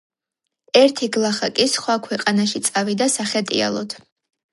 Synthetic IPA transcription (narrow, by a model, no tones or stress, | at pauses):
ɛɾt̪ʰiɡlˠaχakʼisχwakʰwɛqʼanaʃit̪sʼavid̪asaχɛt̪ʼḭa̰lˠɔd̪ʰ